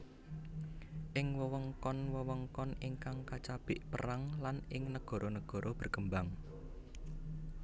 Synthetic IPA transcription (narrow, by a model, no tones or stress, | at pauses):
ʔɪŋwəwəŋkɔnwəwəŋkɔnɪŋkaŋkat͡ʃab̥ɪʔpəɾaŋlanʔɪŋnəɡ̥ɔ̤ɾʔonəɡ̥ɔ̤ɾʔɔb̥ərɡəmbaŋ